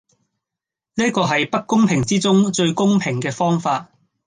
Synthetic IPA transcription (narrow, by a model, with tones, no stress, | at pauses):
niː˥kɔː˧ɦɐ˨jpɐ˥kːʊ˥ŋpʰɪ˨˩ŋt͡siː˥t͡sʊ˥ŋt͡ʃɵ˧ɥkʊ˥ŋpʰɪ˨˩ŋkɛː˧fɔː˥ŋfaː˧t̚